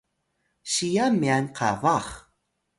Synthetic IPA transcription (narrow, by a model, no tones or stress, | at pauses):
ɕijamianqʰa̰vaχ